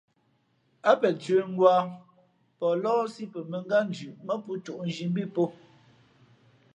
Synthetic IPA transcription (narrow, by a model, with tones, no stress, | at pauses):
a˦pɛ˨t͡sɥə˨˦ŋ˦ɡwaː˦ | pɔ˨lɔː˦si˦pɛ˨mə˨ŋ˦ɡa˦n˨d͡ʒʉ˨ʔmɛ˦pu˦tu˨ʔn˨d͡ʒi˨m˦bi˦po˦